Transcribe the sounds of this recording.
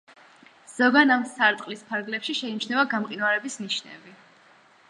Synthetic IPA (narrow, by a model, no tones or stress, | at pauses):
z̥ɔɡanamsaɾt̪ʼqʼlispʰaɾɡlɛpʃiʃɛint͡ʃnɛvaɡamqʼinwaɾɛbisniʃnɛ̰bi